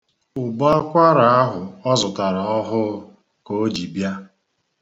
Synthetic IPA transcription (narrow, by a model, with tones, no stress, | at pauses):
ʊ˨ba˦a˦kʷa˦ɾa˨a˦ɦʊ˨ɔ˦zʊ˨ta˨ɾa˨ɔ˦ɦʊ˦ | ko˨o˦d͡ʒi˨bja˦